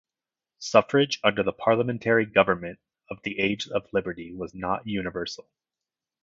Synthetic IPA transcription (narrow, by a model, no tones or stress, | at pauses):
sʌfə˞ɪd͡ʒʌ̃ndə˞ðəpʰɑɹlˠəmɛ̃ntʰɛɹiɡʌvə˞mɨ̃nt | ʌvðiʔeɪd͡ʒʌvlɪbə˞ɾiwʌznəʔ̚jʉnɨvɜ˞sl̩ˠ